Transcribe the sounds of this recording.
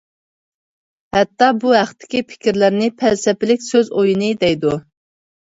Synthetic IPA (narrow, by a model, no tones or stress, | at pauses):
hɛt̪ːɑbuɦæχt̪ʰːɪ̥kʲipʰɪ̥kʲɪɾlæɾnɪpʰælsɛpɪlɪkʲsøzojinɨd̪ɛjd̪u